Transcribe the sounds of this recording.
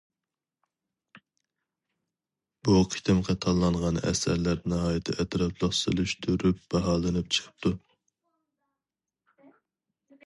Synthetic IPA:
b̥uqʰi̥t̪ʰɪmqʰɑt̪ʰɑlˠːɑɴʁɑnɛ̰sæ̰ɾlæɾnɪɦɑːjɪt̪ʰɪ̰ʔɛt̪ʰɾɑplˠəχsɨ̰lˠyʃt̪ʰuɾyp̚b̥ɛɦɑːlˠɨnɨp̚t͡ʃʰə̥qʰə̥p̚t̪ʰu

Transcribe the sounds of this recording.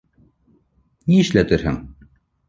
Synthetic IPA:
niɘʃlæt̪ɘ̆ɾhɘ̰ŋ

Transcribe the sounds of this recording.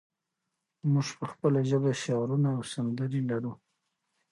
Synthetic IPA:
muʐpəxpəlaʒəbeʃɑɾunaːwsand̪əɾilaɾu

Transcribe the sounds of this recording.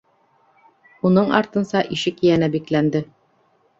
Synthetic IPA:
unɤɴɑ̰ɾt̪ɤ̆nsɑʔiʃɘkijænæbiklænd̪ɘ

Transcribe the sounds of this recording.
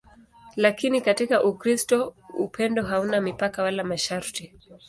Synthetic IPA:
lakinikatikaʔukɾistɔupʰɛndɔɦaunamipakawalamaʃaɾti

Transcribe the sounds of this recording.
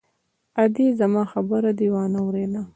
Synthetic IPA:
ad̪izamɑxabəɾad̪iwɑnawɾela

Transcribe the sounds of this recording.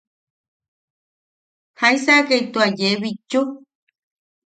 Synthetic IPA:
haisakejt̪uad͡ʒeβit͡ʃo

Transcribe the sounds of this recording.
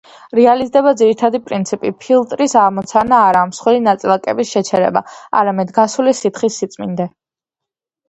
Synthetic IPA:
ɾɛalizd̪ɛbad̪ziɾit̪ʰad̪ipʼɾint̪sʰipʼipʰilˠt̪ʼɾisaʁmɔt̪sʰanaːɾamsχwilinat̪sʼilˠakʼɛ̰bisʃɛt͡ʃʰɛɾɛ̰ba̰a̰ɾamɛd̪ɡasulisit̪χisːit̪sʼmḭnd̪ɛ

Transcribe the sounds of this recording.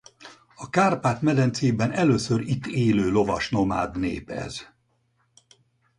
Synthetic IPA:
ɒkaːrpaːt̪mɛd̪ɛnt̪seːbɛnɛløːsøɾit̪ːeːløːlo̞vɒʃno̞ma̰ːd̪nḛːpɛ̰z

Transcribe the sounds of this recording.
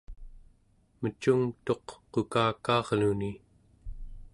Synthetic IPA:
mət͡ʃuŋt̪o̞qqːokaːkɑːʁluni

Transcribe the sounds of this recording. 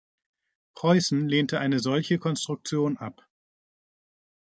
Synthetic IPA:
pʁ̥ɔʏsn̩leːntəʔaɪnəzɔlçəkʰɔnstʁ̥ʊk̚t͡sjoːnʔa̰p

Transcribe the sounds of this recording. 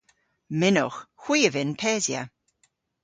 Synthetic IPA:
mɪnʊ̰xxw̥iːəvɪnpʰɛːzjə̰

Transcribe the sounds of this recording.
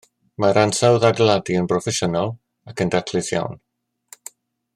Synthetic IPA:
maɾansawðadlˠadiənbrɔfɛʃənalˠ | akʰəndatʰlɨsja̰wn

